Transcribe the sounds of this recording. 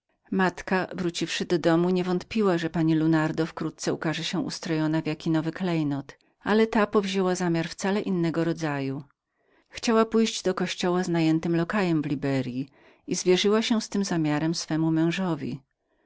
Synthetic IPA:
mat̪kavɾut͡ɕifʂɘd̪ɔd̪ɔmuɲɛvɔnt̪̚pʲiwaʐɛpaɲilunaɾd̪ɔfkɾut̪̚t̪sɛukaʐɛɕɛʔṵst̪ɾɔjɔnavʲjakʲinɔvɘklɛjnɔt̪ | alɛt̪apɔvʑewazamʲjaɾft̪salɛʔinːɛɡɔɾɔd̪zaju | xt͡ɕawapujʑd͡ʑd̪ɔkɔɕt͡ɕɔwaznajɛnt̪ɘmlɔkajɛmvlʲibɛɾʲji | izvʲjɛʐɘwaɕɛst̪ɘmzamʲjaɾɛmsfɛmumɛ̃w̃ʐɔvʲḭ

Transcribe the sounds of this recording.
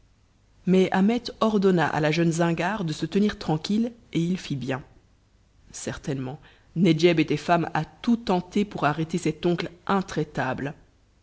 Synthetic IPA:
mɛamɛt̪ɔʁd̪ɔnaʔa̰laʒœnzɛ̃ɡaʁd̪əsət̪əniʁt̪χɑ̃kʲileilfibjɛ̃ | sɛʁt̪ɛnmɑ̃ | ned͡ʒɛbet̪ɛfama̰t̪ut̪ɑ̃t̪epuʁaʁɛt̪esɛt̪ɔ̃klʔɛ̃t̪χɛt̪abl

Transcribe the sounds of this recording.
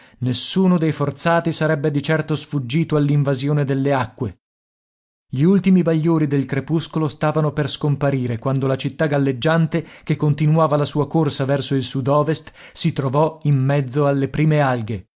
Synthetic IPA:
nesːuːnod̪ejfort̪saːt̪isaɾɛbːed̪it͡ʃɛrt̪osfud͡ʒːiːt̪oalːiɱvazjoːned̪elːeakːwe | ʎiult̪imibaʎːoːɾid̪elkɾepuskolost̪aːvanoperskompaɾiːɾekwand̪olat͡ʃit̪ːaɡalːed͡ʒːant̪ekekːont̪inuaːvalasuːakorsavɛrsoilsud̪ɔːvest̪sit̪ɾovɔimːɛd̪zːoalːepɾiːmealɡe

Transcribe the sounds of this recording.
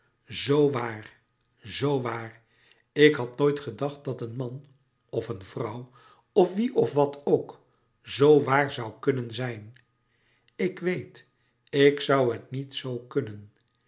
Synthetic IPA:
zowʋaːr | zowʋaːr | ɪkɦɑt̚noːjtχədɑχt̚d̥ɑtənmɑn | ɔfənvrʌw | ɔfʋiʔɔfʋɑtʰowk | zowʋaːɹzʌwkɵnənzɛjn | ɪkʋejt | ɪksʌwɦətnitsowkɵnən

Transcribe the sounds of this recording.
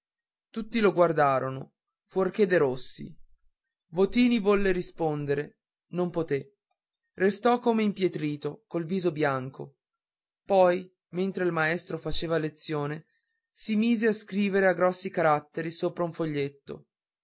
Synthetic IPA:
t̪ut̪ːiloɡward̪aːɾono | fwork̟ed̪eɾosːḭ | vot̪iːnivɔlːeɾispond̪eɾe | nompot̪e | rest̪ɔkːomeimpjet̪ɾiːt̪okolviːzobjaŋko | pɔj | ment̪ɾeilmaɛst̪ɾofat͡ʃeːvalet̪sːjoːne | simiːzeaskɾiːveɾeaɡɾɔsːikaɾat̪ːeɾisoːpɾauɱfoʎːet̪ːo̰

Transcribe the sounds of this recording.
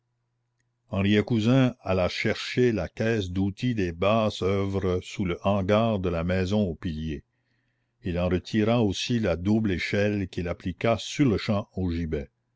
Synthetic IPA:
ɑ̃ʁjɛkuzɛ̃alaʃɛʁʃelakɛːs̬d̪ut̪ʰid̪ebaːsœvɾəsuləʔɑ̃ɡaːʁd̪əlamɛzɔ̃opilje | ilɑ̃ɾət̪ʰiɾaosilad̪ubleʃɛlkʲilaplikasyʁləʃɑ̃oʒibɛ

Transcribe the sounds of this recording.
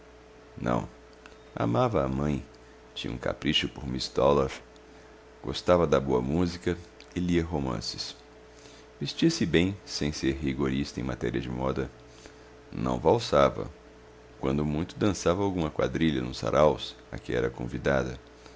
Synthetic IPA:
nɐ̰̃w̃ | a̰mavɐːmɐ̃j̃ | t͡ʃĩɲɐṵ̃ka̰pɾiʃʊpoɾmist̪ɔloɾ | ɡ̥o̰st̪avɐd̪ɐboɐmuzikɐ | ɪliɐɦomɐ̰̃sɪ̥s | vest͡ʃiɐsɪbẽj̃sẽj̃seɾɦiɡoɾist̪ɐẽmat̪ɛɾiɐd͡ʒɪmɔd̪ɐ | nɐ̰̃w̃vawsavɐ̰ | kwɐ̃nd̪ʊmũj̃t̪ʊd̪ɐ̃savɐawɡũmɐkwa̰d̪ɾiʎɐnʊsa̰ɾʔaws | ɐ̰kɪɛɾɐkõ̰vid̪ad̪ɐ

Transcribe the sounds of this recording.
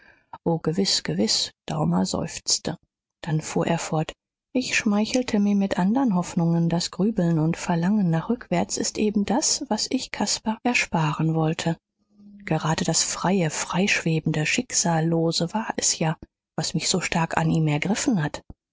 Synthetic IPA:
ʔoːɡ̥əvɪsɡ̥əvɪsd̥aʊmɐzɔ̰ʏft͡stʰə | d̥anfuːɐʔeːɐfɔɐt | ʔɪçʃmaɪçl̩tʰəmiːɐmɪtʔandəʁənɦɔfnʊŋəndasɡ̥ʁyːbl̩nʊntfɛɐlaŋənːaːχʁ̥ʏkv̥ɛɐt͡sɪstʔeːbm̩dasv̥asɪçkʰaspaʔɛɐʃpaːʁənvɔltʰə | ɡ̥əʁaːdəd̥asfʁ̥aɪəfʁ̥aɪʃv̥eːbn̩dəʃɪkz̥aːlːoːzəvaːɐʔɛsjaː | v̥asmɪçz̥oːʃtaɐka̰nʔiːmɛɐɡʁɪfn̩hat

